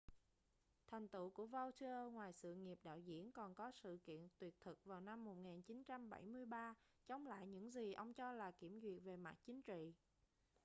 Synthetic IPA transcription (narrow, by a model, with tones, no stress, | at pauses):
t̪ʰa˨˩jŋ̟t̪ṵ˧˨ku˧˩əvə˧wt̪ʰi˧əː˧ŋwaː˨˩jsɨ̰˧˨ŋi˨˩əp̚ɗa̰ː˧˨wzḭ˧˥ənkɔ˨˩nkɔ˨˦sɨ̰˧˨kḭ˧˨ənt̪wi˨˩ət̚t̪ʰɨ˨˩k̚vaː˨˩wna˧mːo˨˩t̚ŋaː˨˩nt͡ɕi˨˦nt͡ɕa˧mɓa˧˩jmɨ˧əjɓaː˧ | t͡ɕɔ˨˦wŋ͡mla̰ː˧˨jɲɨ̰˧˥ŋzi˨˩ʔə˧wŋ͡mt͡ɕɔ˧laː˨˩ki˧˩əmzwḭ˨˩ət̚ve˨˩ma˨˩t̚t͡ɕï˨˦ŋ̟t͡ɕḭ˧˨